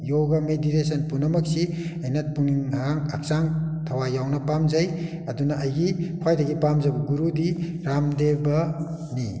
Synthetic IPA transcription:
joɡɐmeditesɐnpunɐmɐksi | ɐjnɐt̚buŋiŋaŋɐk̚saŋtʰɐwajawnɐpamzɐj | ɐdunɐʔɐjɡikʰwajdɐɡipamzajbɐɡuɾudi | ɾamdebɐ | ni

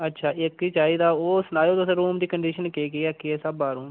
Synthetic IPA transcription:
ətːʃʰaːʔɪkiːt͡ʃaːiːd̪aːoːsnaːjoːt̪osẽɾuːmd̪iːkəɳɖiːʃənkeːkeːɛːkiɛːsəbaːɾũːm

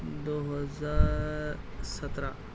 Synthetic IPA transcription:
d̪oːɦəzaːɾ | sət̪ɾã

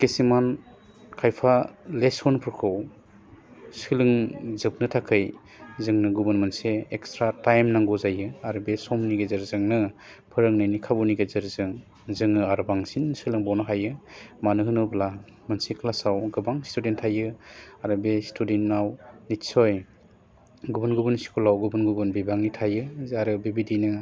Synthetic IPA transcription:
kesiman | kʰajpʰalesɔnpʰɯɾkʰɯw | sɯlɯŋzɯp̚nɯtʰakʰɯj | zɯŋnɯɡubɯnmɯnseekstɾatajmnaŋɡuzajɯaɾɯbesɔmniɡezɯɾzɯŋnɯ | pʰɯɾɯŋnɯjnikʰabuniɡezɯɾzɯŋ | zɯŋɯaɾɯbaŋsinsɯlɯŋbawnɯɦajɯmanɯɦɯnɯbla | mɯnsikʰlasawɡɯbaŋstudentʰːajɯaɾɯbestudentnawnitsɔj | ɡubɯnɡubɯnsi̥kʰɔlawɡubɯnɡubɯnbibaŋitʰajɯaɾɯbebidinɯ

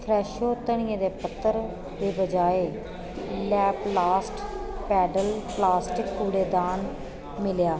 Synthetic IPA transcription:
pʰɾɛːʃoːt̪ːəɳ̃iãːd̪eːpət̪ːəɾ | d̪eːbəd͡ʒaːeː | lɛːplaːsʈpɛːɖəlplaːsʈɪkuːɽeːd̪aːn | mɪljaː

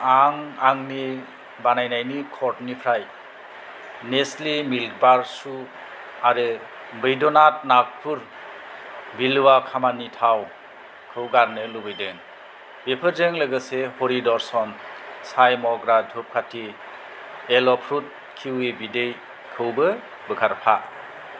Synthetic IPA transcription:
aŋaŋni | banajnajnikʰɔɾtnipʰɾaj | neslimilk̚baɾsu | aɾɯ | bɯjdɔnat̚nak̚pʰuɾ | bilwakʰamanitʰaw | kʰɯwɡaɾnɯlubɯjdeŋ | bepʰɯɾzeŋlɯɡɯsehɔɾidɔɾsɔnsajmɔɡɾadʰʱup̚kʰatʰi | elɔpʰɾut̚ | kʰiwebidej | kʰɯwbɯ | bɯkʰaɾpʰa

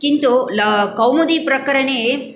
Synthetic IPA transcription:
kint̪ulɐkɐwmɐd̪ipɾɐkɐɾɐɳee

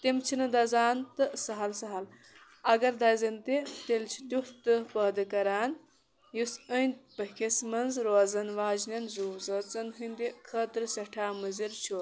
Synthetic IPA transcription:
t̪imt͡ʃʰinɨd̪ɐzaːnt̪ɨsɐɦɐlsɐɦɐl | ɐɡɐɾd̪ɐjzɐnt̪et̪elt͡ʃʰi̥t̪ʲjuht̪ɨpəːd̪ɨkɐɾaːn | jusənʲt̪pɐkʰesmɐnzɾoːzɐnʋaːd͡ʒnʲɐnzuːzɐt͡sɐnɦɨnd̪ikʰəːt̪ɾɨsɐʈʰaːmɨziɾt͡ʃʰoː

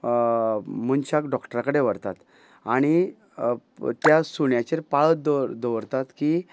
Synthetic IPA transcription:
munt͡ɕakɖɔkʈəɾakəɽeʋəɾt̪at̪ | aɽ̃i | t̪jasuɳjat͡ɕeɾpaɭət̪d̪d̪əʋəɾt̪at̪ki

